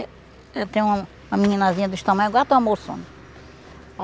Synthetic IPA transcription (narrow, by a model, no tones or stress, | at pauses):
ɛt̪ẽj̃ũɐ̃ | ũmɐmiɲĩnazĩɲɐd̪ʊʃt̪ɐ̃mɐ̃j̃aɡɔɾɐt̪ẽw̃ɐmoɾsõ̰nɐ